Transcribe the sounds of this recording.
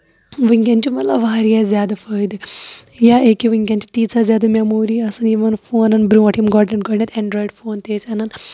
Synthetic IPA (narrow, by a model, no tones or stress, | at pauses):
ʋɨŋkʲant͡ʃimɐt̪lɐʋaːɾijazʲaːd̪ɐfəːjd̪ɨjaeːkiʋɨŋɡʲɐnt͡ʃi̥t̪iːt͡sʰaːzʲjaːd̪ɐmʲamoːɾiːɐsɨnjiʋɐnfoːnɐnbɾũʋɐʈʰimɡɔːɖnɐʈ̚ɡɔːɖnet̪ɛɳɖɾoːjiɖfoːnt̪eːsanɐn